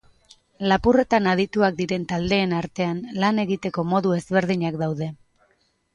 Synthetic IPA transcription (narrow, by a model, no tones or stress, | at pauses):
lapure̞t̪anaðit̪uak̚d̪iɾe̞nt̪ald̪e̞ːnaɾt̪e̞anlane̞ɣit̪e̞ko̞mo̞ðue̞zβe̞ɾð̞iɲakd̪awðe̞